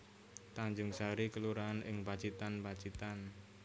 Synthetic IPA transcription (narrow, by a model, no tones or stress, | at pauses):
t̪aɲd͡ʒʊŋsaɾikəluɾanɪŋbḁt͡ʃit̪anbḁt͡ʃit̪an